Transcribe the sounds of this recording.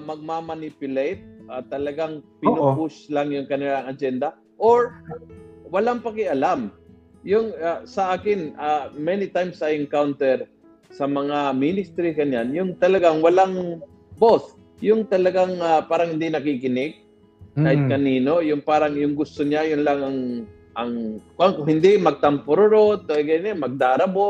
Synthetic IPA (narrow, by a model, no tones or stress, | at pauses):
mɐɡ̚mamɐnipjʊlejt̪̚ʔat̪ɐlɐɡaŋpɪnupʊslaŋjʊŋkɐnɪlaŋɐd͡ʒɛnd̪ɐ | ʔoɹ | wɐlaŋpɐkɛʔɐlam | jʊŋasɐʔaːkɪnʔamɛnit̪ajmsɐjɪŋkawnt̪ɛɹ | sɐmɐŋaminɪst̪ɾiɡɐnjanjʊŋt̪ɐlɐɡaŋwɐlaŋ | boθ | jʊŋt̪ɐlɐɡaŋapaːɾɐŋhɪnd̪inɐkikɪnɪɡ̚ | ɡaːhɪt̪̚kɐniːno̞jʊŋpaːɾɐŋjʊŋɡʊst̪oɲajʊnlaŋɐŋ | ʔɐŋkʊʔaŋkʊŋhɪnd̪imɐɡ̚t̪ɐmpʊɾoɾot̪oɡɐjnɛmɐɡ̚d̪aːɾɐbo